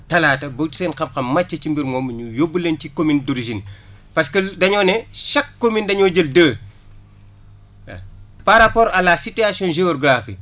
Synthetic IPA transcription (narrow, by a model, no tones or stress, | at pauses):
tɐlaːtɐbotu̥sɛnxɐmxɐmːɐt͡ʃːɐcimbiɾmɔːmːɐɲujobːulencikominduɾiʒin | pɐskədɐɲɔːnɛʃɐkːomindɐɲɔːɟəldəː | paɾɐpɔːɾɐlasitiasiɔ̃nʒeɔɡɾafi